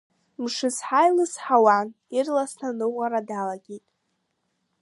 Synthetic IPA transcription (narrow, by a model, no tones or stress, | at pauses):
mʂɨzħajlɨsħawan | irlasnanɨwʷaɾadalaɡʲejtʼ